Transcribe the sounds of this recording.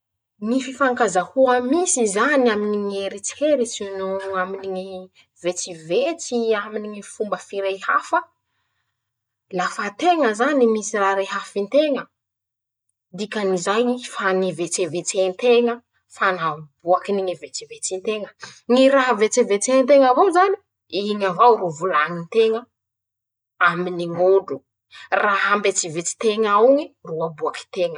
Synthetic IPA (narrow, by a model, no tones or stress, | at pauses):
nififaŋkazahuəmisizaniaminiŋeɾit͡si̥heɾit͡sinuaminiŋi | vet͡sivet͡siaminiŋifumbəfiɾejhafə | lafət̪eŋəzanimisiraɾeɦafint̪eŋə | d̪ikanizajfanivet͡sevet͡senit̪eŋə | fanabuakiniŋivet͡sivet͡sint̪eŋəŋiɾaɦvet͡sevet͡seŋnt̪eŋavowzani | iŋavawɾuvulaŋint̪eŋə | aminiŋoɖ͡ʐu | raɦambet͡sivet͡si̥t̪eŋaawŋiruabuaki̥t̪eŋə̥